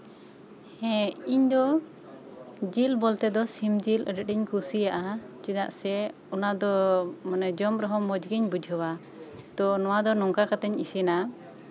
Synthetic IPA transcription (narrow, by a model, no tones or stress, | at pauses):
ɛ̃iɲd̪ɔ | d͡ʒilbɔlt̪ɛd̪ɔsimd͡ʒilə̰ɖɛʈiɲkusijaʔat͡ʃid̪a̰ʔsɛ | ɔnad̪ɔmanɛd͡ʒɔmɾɔɦɔ̃mɔd͡ʒɡiɲbud͡ʒʱɦɔwa | t̪ɔnɔwad̪ɔnɔŋkakat̪ɛɲisina